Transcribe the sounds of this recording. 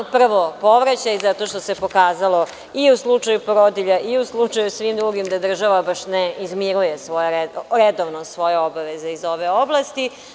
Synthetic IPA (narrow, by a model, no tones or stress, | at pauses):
pr̩ʋopo̞ʋɾat͡ɕaizat̪o̞ʃt̪o̞se̞po̞kaːzalo̞ | iuslˠut͡ʂajupoɾod̪iʎaʔiuslˠut͡ʂajusʋimd̪ɾuɡimd̪ad̪r̩ʒaʋabaʃneizmiɾujesʋojeeɾed̪oʋnosʋo̞je̞o̞baʋeze̞izo̞ʋeo̞blˠast̪i